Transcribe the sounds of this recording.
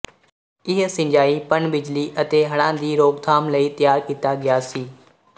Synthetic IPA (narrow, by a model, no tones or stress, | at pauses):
ɪɦsɪ̃ɲd͡ʒaːiːpənbɪd͡ʒliːʔət̪eːɦɐɽ̃ãːd̪iːɾoːɡt̪ʰaːmləiːt̪jaːɾkiːt̪aɡɪjaːsiː